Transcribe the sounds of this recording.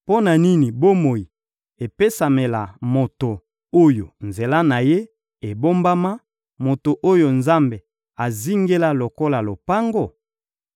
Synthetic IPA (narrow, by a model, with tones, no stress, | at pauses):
po˦na˨ni˦ni˨bo˦mo˨ji˨ | e˨pe˦sa˨me˨la˨mo˨to˨ | o˦jo̰˨nze˨la˦na˨je˦ | e˨bo˦mba˦ma˦ | mo˨to˨ʔo˦jo˨nza˦mbe˨ | a˨zi˦ŋɡe˦la˦lo˨ko˦la˨lo˨pa˦ŋɡo˦˨